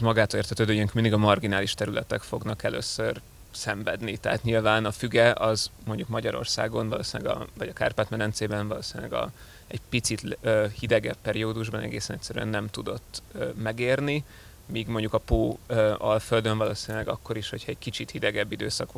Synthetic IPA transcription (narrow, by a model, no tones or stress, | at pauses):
mɒɡaːt̪olert̪ʰɛt̪øːd̪øːjøŋkmind̪iɡɒmɒrɡinaːliʃt̪ɛɾylʔɛt̪ɛkfo̞ɡnɒkɛlø̰ːsːør | sɛɱvɛd̪nit̪ɛɦaːt̪ɲilvaːnɒfyɡɛʔɒzmo̞ɲɟukmɒɟɒɾo̞̰rsa̰ːɡo̞nvɒloːsinlɛ̰ɡɒ̰vɒɟɒka̰ːrpat̪mɛɾɛnt̪seːbɛnvɒloːsinylɛ̰ɡɒ̰ | ɛɟpit̪sit̪ːhid̪ɛɡɛpːɛɾioːd̪uʒbɒnɛ̰ɡeːsɛnɛcʲsɛɾy̰ɛ̰nːɛmt̪ud̪o̞t̪ːmɛɡeːrni | miːɡmoɲɟukɒpoːøɒlføld̪øɱvɒloːsinylɛɡɒkːo̞ɾiʃho̞cʰhɒɛɟkit͡ʃit̪hid̪ɛɡɛbːid̪øːsɒkʋ